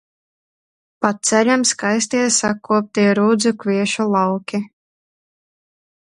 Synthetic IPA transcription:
pat̪̚sɛlʲamskajs̬ʲt̪iːt̪sakːuɔp̚t̪iɛɾuːd̪zukviɛʃulˠɑwkʲi

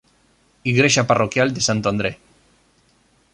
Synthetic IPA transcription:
iɣɾeʃaparokjald̪esant̪oand̪ɾe

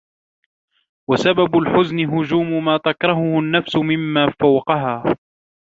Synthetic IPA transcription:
wasababʊlħʊznɪɦʊd͡ʒuːmʊmaːt̪akɾˤɑɦʊhʊnːafsʊmɪmːaːfawqɑɦaː

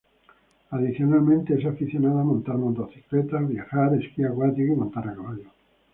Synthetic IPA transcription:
aðiθjonalmẽnt̪ees̬afiθjonaðamõnt̪aɾmond̪oθi̥klet̪aβjaxaɾeskiakwat̪ikimont̪aɾakaβaʎo

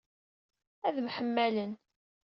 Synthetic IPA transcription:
æðmħəmːælən

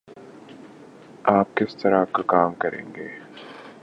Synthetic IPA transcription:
aːp̚kɪst̪ɐɾaːkakaːmkɐɾʔḛ̃ːŋɡeː

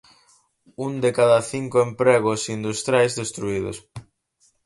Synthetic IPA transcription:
und̪ekaðaθiŋkoempɾɛɣʊsind̪ust̪ɾjajzðest̪ɾuiðʊ̰s

